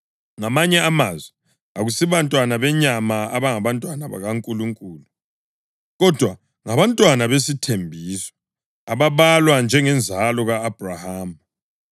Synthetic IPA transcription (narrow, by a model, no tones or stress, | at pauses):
ŋamaɲɛamazwɛ | aɣusiβantʼwanaβɛɲamaaβaŋaβantʼwanaβa̰ɣaŋkʼuluŋkʼuːlu | ɣɔd̥ʱwa | ŋaβantʼwanaβesitʰembʱiːsɔ̥ | aβaβalwand͡ʒʱɛŋɛnd͡zʱalɔɣaːb̥ʱrahaːm